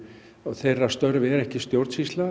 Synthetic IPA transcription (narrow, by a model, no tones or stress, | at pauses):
ɔɣθejrːast̪œɾvɛɾɛhcɪst̪jowɾt̪sist̪la